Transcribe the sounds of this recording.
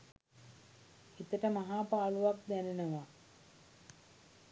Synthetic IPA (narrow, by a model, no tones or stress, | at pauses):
it̪əʈəmaɦaːpaːluʋak̚d̪ænenəʋa